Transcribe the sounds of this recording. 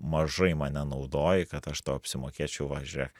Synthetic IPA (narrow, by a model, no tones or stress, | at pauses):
mɐʒɐɪmɐnʲɛnɐʊd̪oːjɪkɐt̪ɐʃt̪oːɐpʲsʲɪmoːkʲeːt͡ʃʲɛʊʋɐʒʲʊɾʲɛk